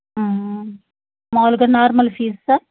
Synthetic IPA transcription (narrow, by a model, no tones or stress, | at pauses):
maːlɡɐnaːɾmɐlfiːssa